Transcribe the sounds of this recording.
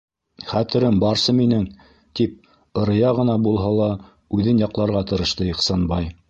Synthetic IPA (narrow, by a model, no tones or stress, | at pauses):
χæt̪ɘ̆ɾɘmbɑɾsɤminɘŋ | t̪ip̚ | ɤ̆ɾɤ̆jɑʁɤ̆nɑbulˠɦɑlˠɑ | ʉðɘnjɑqlˠɑɾʁɑt̪ɤ̆ɾɤ̆ʃt̪ɤjɤqsɑnbɑj